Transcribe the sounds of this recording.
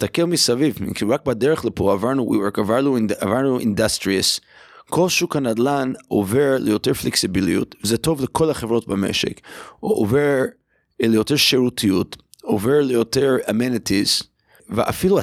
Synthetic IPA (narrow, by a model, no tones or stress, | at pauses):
istakelmisavivḭmkʰiʁak̚badeʁeχlepʰoavaʁnuwḭwekavaʁnuavaʁnuʔḭndastʁias | kʰo̞lʃukanadlanʔo̰veʁlejoteʁfleksibilḭjṵtvezeto̞vlekʰo̞laχevʁo̞t̚bamḛʃḛkʔoveʁ | lejo̞teʁʃeʁutʰijut | oveʁlejoteʁamenitʰiz | veʔa̰filua